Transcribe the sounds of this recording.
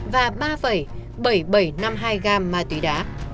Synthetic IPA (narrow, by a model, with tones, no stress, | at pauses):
vaː˨˩ɓaː˧fə˧˩j | ɓə˧˩jɓə˧˩jna˧mɦaː˧jɣaː˧mːaː˨˩t̪wḭ˨˦ɗa̰ː˨˦